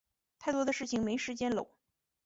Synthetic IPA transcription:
t̪ʰa˥˩ɪt̪wɔ˥d̪ə˨˧ʂɻ̩˥˩t͡ɕʰi˨˩ŋme˧˥ɪʂɻ̩˧˥t͡ɕjɛ˥nlo̰˨˩˦ʊ

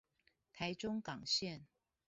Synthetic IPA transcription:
t̪ʰa˧˦ɪʈ͡ʂʊ˥ŋkɑ˨˩ŋɕjɛ˥˨n

